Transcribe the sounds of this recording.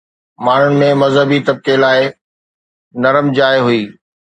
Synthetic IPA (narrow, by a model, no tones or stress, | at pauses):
maːn̤ʊnɪ̆mẽmɐzɦəbit̪ɐb̚kelaːɪ | nɐɾəmd͡ʑaːɪɦuiː